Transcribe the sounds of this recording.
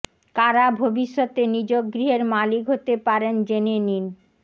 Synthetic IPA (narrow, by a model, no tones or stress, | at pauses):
kaɾabʱobiʃːot̪enid͡ʑoɡ̚ɡɾiɦeɾmalikɦot̪epaɾend͡ʑenenin